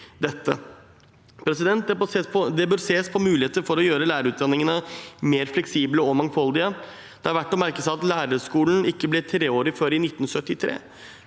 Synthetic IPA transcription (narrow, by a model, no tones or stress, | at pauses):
d̪ɛt̪ːə̰ | pʰɾɛsɪd̪ɛnt̪̚d̪ɛɔd̪ɛbøɾseːspʰɔmʉːlɪheːt̪əɾfɔɾɔjøːɾəlæːɾəɾʉːt̪̚d̪ɑnɪŋənəmeːɾflɛksiːbləɔmɑŋfɑld̪ɪə | d̪̥ɛhɑɾʋæʈːɔmæɾkəsæɪɑt̪læːɾəʂkuːln̩ɪkːəblɛt̪ʰɾeːoːɾɪføːɾɪnɪt̪ːn̩sœt̪ːɪt̪ʰɾḛː